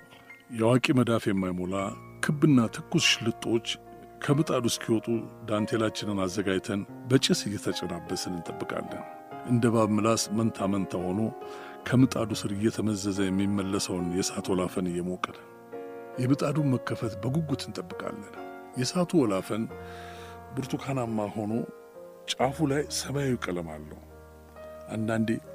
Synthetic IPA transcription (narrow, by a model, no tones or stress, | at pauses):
jɛwakʼiməd̪afjɛmːajmola | kʰɨbːɨnːat̪ʰɨkːusʃlɨt̪ʼːo̞t͡ʃː | kʰəmɨt̪ʼad̪uskʰiwɔt̪ʼud̪ant̪ʰe̞lat͡ʃːɪnɨnazːəɡajt̪ʰən | bət͡ʃʼɪsɨjːɛt̪ʰət͡ʃʼɛnabːəsɨlɨnt̪ʼəbːɨkʼa̰lːə̰n | ʔɨnd̪əβaβmɨlasmənt̪ʰamənt̪ʰaho̞no̞ | kʰəmɨt̪ʼad̪usɨɾɨjːɛt̪ʰəməzːəzəjɛmːimːəlːəsəwnjɛsat̪ʰwɔlafənɨjːɛmokʼːəd̪ə | jɛmɨt̪ʼad̪uməkːəfət̪bəɡuɡut̪ʰɨnt̪ʼəbːɨkʼa̰lːənjɛsat̪ʰuwɔlafən | bɨɾt̪ʰukʰanamːaho̞no̞ | t͡ʃʼafulajsəβajakʼɨləmalːə̰hu | ʔand̪and̪e